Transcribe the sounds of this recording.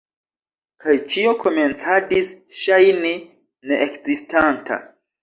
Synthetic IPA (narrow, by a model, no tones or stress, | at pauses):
kʰajt͡ʃio̞kʰo̞me̞nt͡sadisʃajni | ne̞ʔekzistanta̰